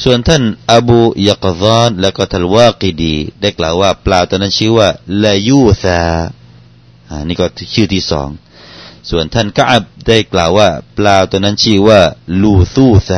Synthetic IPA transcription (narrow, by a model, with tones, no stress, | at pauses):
su˨˩ənt̪ʰa˥˩˨nʔa˧buː˧ja˧˩qðɔː˧˥nlɛː˦˥˩wkɔː˥˩t̪ʰa˥˩nwaː˧˩qi˧diː˧da˥˩jklaː˨˩waː˥˩plaː˧wt̪u˧na˦˥˨nt͡ɕʰɯː˥˩waː˥˩la˧juː˥˩saː˧ | ʔaː˧˩niː˥˩kɔː˥˩t͡ɕʰɯː˥˩t̪ʰiː˥˩sɔ̰ː˩˦ŋ | su˨˩ənt̪ʰa˥˩nka˦˥ʔa˧˩b̚da˥˩jklaː˨˩wːaː˥˩plaː˧t̪u˧na˥˨nt͡ɕʰiː˥˩waː˥˩luː˧˩θuː˧˩θa˧